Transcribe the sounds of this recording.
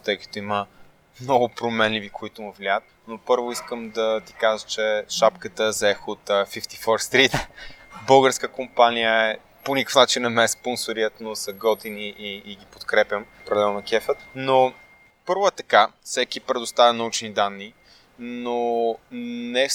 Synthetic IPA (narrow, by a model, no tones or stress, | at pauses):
t̪ɤjkə̥t̪oimə | mnɔɡʊpɾomɛnlivikoit̪omuvlʲiaət̪̚ | nopɤɾvoiskəmd̪ɐt̪i̥kaʒət͡ʃɛʃapkət̪əzɛxot̪fift̪i̥fɔɾst̪ɾit̪bɤlˠɡəɾskəkompanijəɛ | ponikəfnat͡ʃinɐmɛsponsoɾiət̪nosɐɡɔt̪iniʔːɡipot̪kɾɛpʲjəmpɾɛlɛlˠnɐkɛfət̪no | pɤɾvʊɛt̪ɐkafsɛkipɾɛd̪ost̪avʲənɐut͡ʃnid̪anːi | no | nɛ